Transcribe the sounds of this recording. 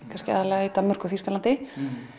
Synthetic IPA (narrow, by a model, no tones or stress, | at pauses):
kʰanscɪa̰ðalɛɣait̪amœr̥kʏθiskalant̪ɪ